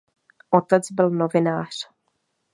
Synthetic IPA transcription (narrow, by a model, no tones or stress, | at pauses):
ʔot̪ɛt͡sbɪlnovɪnaːr̝̥